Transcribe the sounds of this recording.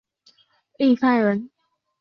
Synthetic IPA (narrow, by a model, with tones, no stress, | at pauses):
li˥˧sa˥˩ɪɻə˧˦n